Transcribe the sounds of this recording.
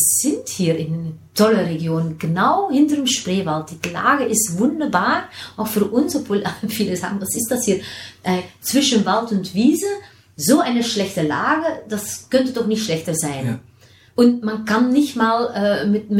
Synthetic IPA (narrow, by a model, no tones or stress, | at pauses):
z̥ɪnthiːɾɪnntʰɔləreɡjoːnənɡ̥ənaʊhɪntərəmʃpreːvalt̚d̥itla̰ːɡəʔɪstvʊndəbaːɹʔaʊxfyːɹʔʊnsɔpv̥oːlfiːləza̰ːɡŋ̩d̥asɪstd̥ashiːʔɛt͡sv̥ɪʃənvaltʊntviːzə | zoːʔaɪnəʃlɛçtəla̰ːɡəd̥askœntədɔχnɪçtʃlɛçtəzaɪn | ʔʊntmankanːɪçtmaːləːmɪtm